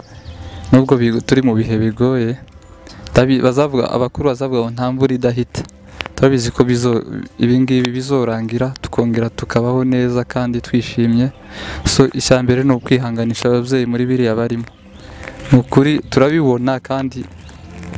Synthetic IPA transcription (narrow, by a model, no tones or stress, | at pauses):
nuːbɡoβituɾimuβiɦe̞βiɡo̞ːje̞ | aβiβazavuɡa̰a̰βakuɾuβazavuɡamon̥haːɱvuɾidaɦite̥ | tuɾaβizikʰoβizoḭβiːnɡiβiβizo̞ɾaːŋɡiɾatu̥kʰo̞ːŋɡe̞ɾatukʰaβaho̞ne̞ːzakaːnditwiːʃiːmje̞ | so̞ʔicaːmbe̞ɾe̞nokwiːɦaːŋɡaniʃaβavje̞ːjimuɾiβiɾijaβaɾimo | mukuɾituɾaβiβo̞nakaːndi